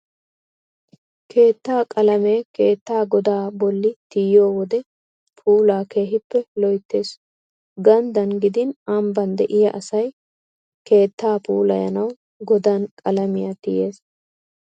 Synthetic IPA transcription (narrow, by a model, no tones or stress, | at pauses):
kʰe̞ːt̪ːaːkʼɐlɐmeːke̞ːt̪ːaːɡɔd̪aːbɔlːɪt̪ɪjo̞ːwɔd̪ɛ | pʰuːlaːke̞ːɦɪpːɛlɔjt̪ːe̞ːs | ɡɐnd̪ɐnɡɪd̪ɪnɐmbɐnd̪ɛʔɪjɐʔɐsɐj | ke̞ːt̪ːaːpuːlɐjɐ̰nɐw | ɡɔd̪ankʼɐlɐmɪjɐt̪ɪje̞ːs